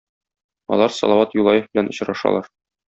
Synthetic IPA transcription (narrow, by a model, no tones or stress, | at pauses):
ɒ̰lˠɑɾsɒ̰lˠɑwɑt̪julˠɑjɤfbɘ̆lænŏɕɾɑʃɑ̰lˠɑɾ